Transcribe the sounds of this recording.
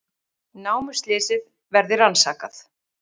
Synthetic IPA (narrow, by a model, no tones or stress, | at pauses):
naːwmʏst̪lɛːsɪð | vɛɾðɪransaːkaθ